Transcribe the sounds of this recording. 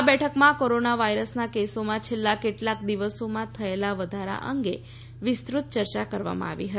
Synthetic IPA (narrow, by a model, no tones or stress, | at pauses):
abɛʈʰəkmãkoɾonaʋaiɾəsnakesomãt͡ʃʰelːakeʈlakd̪iʋəsomãt̪ʰəelaʋəd̪ʱaɾa̰ʔəŋɡe | ʋɪst̪ɾut̪̚t͡ʃəɾt͡ʃakəɾʋa̰mã̰a̰ʋḭɦə